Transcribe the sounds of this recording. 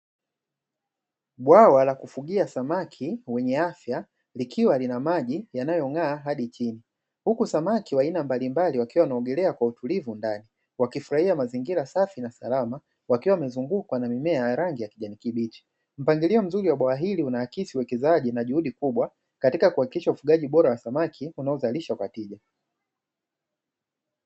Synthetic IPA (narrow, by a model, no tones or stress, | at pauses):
ɓwawalakufuɠiasamakʰiwɛɲɛafja | likʰiwalinamaʄijanajɔŋaːɦaɗit͡ʃini | hukusamakiwainambalimbaliwakiwawnaɔɠɛlɛakwautulivundani | wakifuɾahiamaziŋɡiɾasafinasa̰lama | wakiwawmɛzuŋɡukwanamimɛajaɾaŋɡijakiʄanikiɓiti̥ | m̩paŋɡiliɔm̩zuɾiwaɓaaɦiliunaakisiuwɛkɛzaʄinaʄuhuɗikuɓwa | katikakuhakikiʃaufuɠaʄiɓɔɾawasamakʰiunaɔzaliʃakwatiʄa